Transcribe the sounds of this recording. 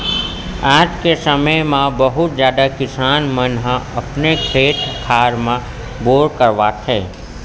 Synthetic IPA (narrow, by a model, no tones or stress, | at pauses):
aːd͡ʒkesəməjmãbəɦʊt̪̚d͡ʒjaːd̪akɪsaːnmənɦãɐpnekʰeːʈkʰaːɾmã | boːɾkəɾʋaːt̪ʰɛː